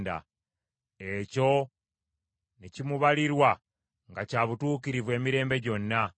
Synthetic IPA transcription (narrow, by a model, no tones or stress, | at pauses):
nda̰ | e̞co̞ | necimuβaliɾwa | ŋɡacaːβutuːkiɾivwe̞ːmiɾe̞ːmbe̞ɟo̞nːa